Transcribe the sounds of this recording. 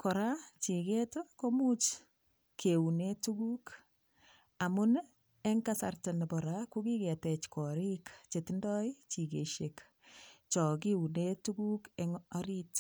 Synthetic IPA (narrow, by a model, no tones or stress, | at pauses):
kɔɾat͡ʃiketokomut͡ʃ | kʰeunetukuk | amun | eŋkasa̰rtenbɔɾakukiketɛt͡ʃkɔɾikt͡ʃetindɔit͡ʃiɡeʃek | t͡ʃɔk̬iunetuɡukeŋaɾit